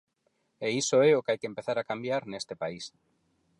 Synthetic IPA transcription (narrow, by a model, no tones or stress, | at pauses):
eisoeokeajkempeθaɾakambjaɾnest̪epais